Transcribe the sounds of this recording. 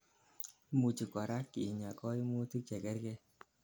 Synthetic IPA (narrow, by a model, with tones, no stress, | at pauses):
mu˨t͡ʃi˨kɔ˨ɾa˦ki˨ɲa˨kɔ˦i˦mu˦ti˦t͡ʃɛ˨kɛ˦ɾkɛ˦